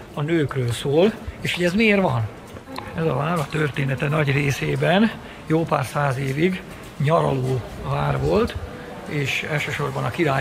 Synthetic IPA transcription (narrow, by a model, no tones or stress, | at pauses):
ɒnøːkrøːlsoːleːʃhoɟɛzmieːrvɒn | ɛzɒvaːɾɒt̪ørt̪eːnɛt̪ɛnɒɟreːseːbɛn | joːpaːrsaːzeːviɡ | ɲɒɾɒ̰loːvaːrvo̞lt̪ | eːʃɛlʃøːʃo̞rbɒnɒkiɾaː